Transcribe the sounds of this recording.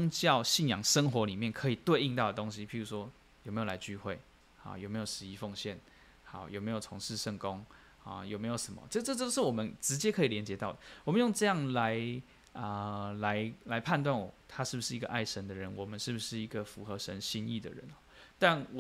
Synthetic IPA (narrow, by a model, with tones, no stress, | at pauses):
ŋt͡ɕjɑ˥˧ʊɕi˥˩njɑ˨˩ŋʂə˥ŋxwɔ˧˥li˨˩mjɛ˥˩nkʰɤ˧˥i˨˩t̪we˥˧ɪi˥˧ŋt̪ɑ˥˩ʊd̪ə˩t̪o˥ŋɕi˦˥pʰi˧˥ɻu˧˥ʂwɔ˥ | jme˧˥jo˨˩la˧˥ɪt͡ɕy˥˧xwe˥˩ɪ | hɑ̰˥˩jme˦˥jo˨˩ʊʂɻ̩˧˥i˧˥fo˥˧ŋɕjɛ˥˩n | xa˨˩˦ʊjo˨˩ʊme˧˥ɪjo˨˩ʊt͡sʰo˧˥ŋʂɻ̩˥˧ʂə˥˩ŋkʊ˦ŋ | hɑ̰˨˩jo˨˩me˧˥ɪjo˨˩ʊʂə˨˦nmɐ̰˨˦ʈ͡ʂə˥˧ɤ˥˧t͡so˥ʊʂɻ̩˥˩wɔ˨˩mə˦nʈ͡ʂɻ̩˧˥t͡ɕjɛ˦˥kʰɤ˧˥i˨˩ljɛ˧˥nt͡ɕjɛ˧˥t̪ɑ˥˩ʊd̪ə˩wɔ˨˩mə˨˦njo˥˧ŋʈ͡ʂɤ˥˧jɑ˥˩ŋla˧˦ɪ | ə˧la˧˦ɪla˧˦ɪpʰa˥˧nt̪wa˥˩nwɔ˨˩t̪ʰa˥˦ʂɻ̩˥˩bu˩ʂɻ̩˥˩i˧˥ɡə̰˧ʔa˥˩ɪʂə˧˥nd̪ə˧ɻə˧˦nwɔ˨˩mə˦nʂɻ̩˥˩bu˨˩ʂɻ̩˥˩i˧˥ɡə˨fu˧˥xɤ˧˦ʂə˧˦nɕi˥nḭ˥˩d̪ə̰˨ɻə̰˧˦nɔ˥˩t̪a˥˩nw